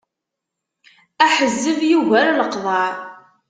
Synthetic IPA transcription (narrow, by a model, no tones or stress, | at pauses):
æħəzːəvjuʝæɾləqðˤɑɾˤ